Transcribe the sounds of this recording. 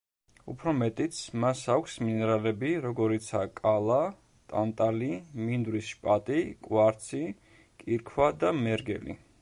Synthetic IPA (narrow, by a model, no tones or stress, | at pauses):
ṵpʰɾɔmɛt̪ʼit̪sʰmasakʷʰsminɛɾalɛbiɾɔɡɔɾit̪sʰaːkʼalˠa | t̪ʼant̪ʼalimind̪ɾisʃpʼat̪ʼikʼwaɾt̪sʰi | kʼiɾkʰwad̪amɛɾɡɛ̰lḭ